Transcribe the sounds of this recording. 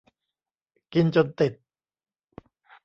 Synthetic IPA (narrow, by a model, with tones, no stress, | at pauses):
ki˧nt͡ɕo˧nt̪i˨˩t̪̚